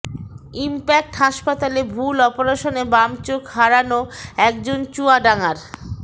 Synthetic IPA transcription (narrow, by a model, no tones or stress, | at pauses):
impɛk̚ʈɦaʃpat̪alebʱulɔpoɾaʃonebamt͡ɕokɦaɾanoɛkd͡ʑont͡ɕuaɖaŋaɾ